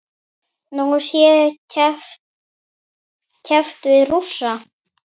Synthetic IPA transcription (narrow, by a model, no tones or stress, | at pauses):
nɔsjɛ | cʰɛft̪vɪðrusːa